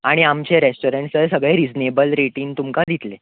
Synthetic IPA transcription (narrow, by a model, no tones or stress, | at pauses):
aɽ̃iamt͡ɕeɾesʈoɾeɳʈsəsəɡɭeɾid͡znebəlɾeʈiːnt̪umkad̪it̪le